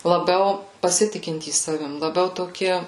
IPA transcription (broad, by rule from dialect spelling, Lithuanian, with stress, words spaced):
lˠɐˈbʲɛʊ pɐˈsʲɪtʲɪkʲɪnʲtʲiːs ˈsɑːʋʲɪm lˠɐˈbʲɛʊ toːˈkʲɪ